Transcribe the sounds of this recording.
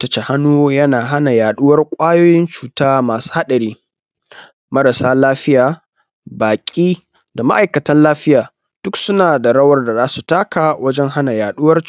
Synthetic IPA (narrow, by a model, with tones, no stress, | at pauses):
tɐ˦t͡ʃe˨ha˦nuː˦jɐ˦naː˨ɦa˦na˨jaː˨ɗʊ˦wɐ˦rkʷʼaː˦joː˦jɪ˦nt͡ʃuː˨taː˦maː˨su̥˦ha˦ɗɐ˨ɾiː˦ | mɐ˦ɾa˨saː˦laː˦ɸɪ˦jaː˨ | baː˨kʲʼiː˦ | da˨ma̰˦ʔa˨jkɐ˨tɐ˦nlaː˦ɸɪ˦jaː˨ | d̥ʊ˦ksʊ˦naː˨da˨ɽɐ˦wɐ˦rda˨zaː˦su˨taː˦kaː˨wɐ˦d͡ʒɛ˦ŋɦa˦na˨jaː˨ɗʊ˦wɐ˦r